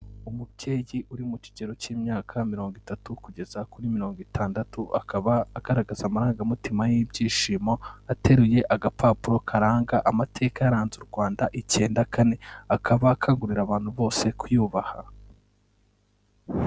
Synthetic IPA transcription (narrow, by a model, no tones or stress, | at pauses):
umubɟeːjiʔuɾimuci̥ɟe̞ɾo̞ciːmɲaːkʰamiɾo̞ːŋɡwitatukuɟe̞zakuɾimiɾo̞ːŋɡwitʰaːndatuʔa̰kʰaβaːɡ̥aɾaɡazamaɾaːŋɡamitimajibɟiːʃiːmo̞ate̞ɾuje̞ʔaɡapʰaːpuɾo̞kʰaɾaːŋɡaʔamatʰe̞ːkaaɾaːnzuɾɡwaːndaʔice̞ːndakane̞akʰaβaːkʰaːŋɡuɾiɾaβaːn̥huβo̞ːse̞kujuːβaha